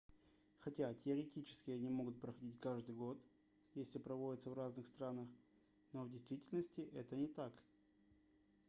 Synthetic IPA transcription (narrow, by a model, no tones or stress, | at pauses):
xɐtʲatʲɪəɾʲɪtʲit͡ɕɪ̥skʲɪjənʲɪmo̞ɡʊt̪̚pɾəxɐdʲitʲkaʐd̪ɨjɡo̞t̪ | jesʲlʲɪpɾɐvo̞dʲɪt̪səvraznɨxst̪ɾanəx | no̞vdʲɪjst̪vʲitʲɪlʲnəsʲtʲɪʔɛt̪ənʲɪt̪ak